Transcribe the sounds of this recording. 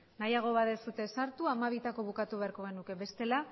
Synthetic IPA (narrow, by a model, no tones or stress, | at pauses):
najaɣ̞o̞βaðe̞sut̪e̞saɾt̪uamaβ̞it̪ako̞β̞ukat̪uβe̞aɾko̞ɣ̞e̞nuke̞βe̞st̪e̞la